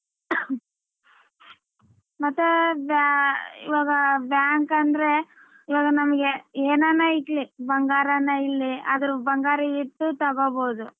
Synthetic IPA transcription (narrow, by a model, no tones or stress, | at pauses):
mɐt̪ːebaḭʋaːɡɐbjaːŋkɐnd̪ɾe̞ | iʋaːɡɐnɐmɐɡeeːnanaiʈlibɐŋɡaːɾɐnːɐilːiɐ̰d̪ɐɾubɐŋɡaːɾɐiʈːut̪ɐɡoboːd̪u